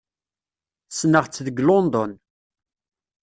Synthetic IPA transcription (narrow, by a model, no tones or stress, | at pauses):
snəʁt͡sːðəɡlond̪ɔn